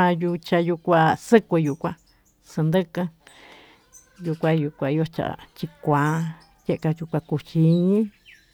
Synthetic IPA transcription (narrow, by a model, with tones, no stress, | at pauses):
ã˧ju˧t͡ʃa˧ju˧kʷã˧sɨ˦kʷɨ˧ju˧˨kʷã˧ | sɨ˧nd̪ɨ˦kɨ̃˧ | ju˧kʷã˧ju˧kʷã˧i˧˦o˦t͡ʃa̰˧ʔt͡ʃi˧kʷã˨˦ | je˦ʔka˧ju˧kʷa˧ku˧t͡ʃi˧ɲĩ˦